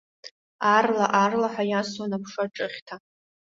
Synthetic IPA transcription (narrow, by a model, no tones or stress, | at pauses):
arlaʔarlaħʷajaswanapʰʂaʈ͡ʂʼɨχʲtʰa